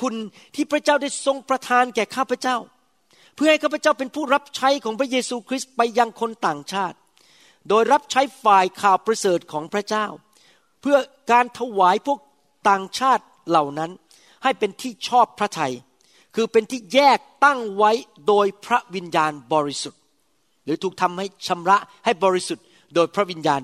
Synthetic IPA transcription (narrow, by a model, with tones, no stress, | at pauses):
kʰu˧n | t̪ʰiː˥˩pʰɾa˦˥t͡ɕaː˥˩wda˥˩jso˧ŋpɾa˧t̪ʰaː˧nkɛː˨˩kʰaː˥˩pʰa˧˦t͡ɕa˥˩w | pʰɯ˥˩ha˥˩jkʰaː˥˩pʰa˧t͡ɕa˥˩wp̬e˧npʰuː˥˩ɾa˦˥p̚t͡ɕʰa˦˥jkʰɔː˩˦ŋpʰɾa˦˥jeː˧suː˧kʰɾi˦˥st̪̚pa˧jːa˧ŋkʰo˧nt̪aː˨˩ŋt͡ɕʰaː˥˩t̪̚ | doː˧jɾa˦˥p̚t͡ɕʰa˦˥jfaː˨˩jkʰaː˨˩wpɾa˧sɤː˨˩t̪̚kʰɔː˩˦ŋpʰɾa˦˥t͡ɕaː˥˩w | pʰɯ˥˩ɐ | kaː˧nt̪ʰa˧waː˩˦jpʰu˥˩ək̚ | t̪aː˨˩ŋt͡ɕʰaː˥˩t̪̚la˨˩wna˦˥n | ha˥˩jpe˧nt̪ʰiː˥˩t͡ɕʰɔː˥˩pʰɾa˦˥t̪ʰa˧j | kʰɯː˧pe˧nt̪ʰiː˥˩jɛː˥˩k̚t̪a˥˩ŋwa˦˥j | doː˧jpʰɾa˦˥wi˧njaː˧nbɔː˧ɾi˦˥su˨˩t̪̚ | ɾɯː˩˦t̪ʰuː˨˩k̚t̪ʰa˧mha˥˩jt͡ɕʰa˧mɾa˦˥ʔha˥˩jbɔː˧ɾi˦˥su˨˩t̪̚ | doː˧jpʰɾa˦˥wi˧njaː˧n